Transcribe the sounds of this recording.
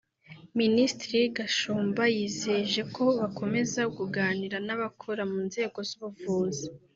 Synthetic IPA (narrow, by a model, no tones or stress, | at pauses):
ministɾiɡaʃuːmbajiːzeʒe̞ko̞βakʰo̞me̞zaɡuɡaːniɾanaβakʰoɾamuːnze̞ːɡo̞zuβuvuːza